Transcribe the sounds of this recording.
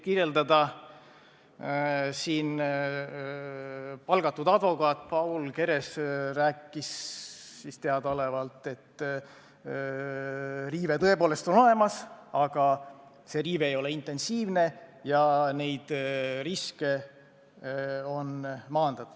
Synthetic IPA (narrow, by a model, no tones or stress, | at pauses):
kirje̞ld̪ɑd̪ɑ | siːn | pɑlɡɑt̪ːˑud̪ɑd̪̥vo̞kɑːt̪ːˑpɑwlke̞ɾe̞sræːkːˑisː | ist̪eɑd̪o̞le̞vɑlt̪ːˑe̞t̪ː | riːve̞t̪ɤ̞e̞po̞ːle̞st̪o̞no̞le̞mɑsɑɡ̥ɑ | se̞riːveejo̞le̞int̪ːˑe̞nsiːvne̞jɑne̞jd̪̥riske̞ | o̞nmɑːnd̪̥ɑt̪